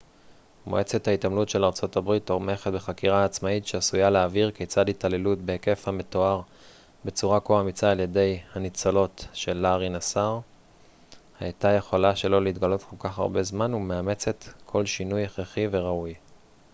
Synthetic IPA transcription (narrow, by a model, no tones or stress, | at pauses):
moʔe̞t͡se̞thaitamlutʃelaʁt͡so̞tabʁitomeχetbe̞χakiʁaːt͡smaitʃeasujaleaviʁket͡saditale̞lutbeeke̞fhame̞to̞aʁ | be̞t͡suʁakoamit͡saːlje̞de̞jhanit͡salo̞tʃe̞lːaʁinasaʁ | hajtaje̞χo̞laʃe̞lo̞leit̪ɡalo̞tkʰo̞lkaχa̰ʁbe̞zmanumeame̞t͡se̞tkʰo̞lʃinujeχeχive̞ʁauj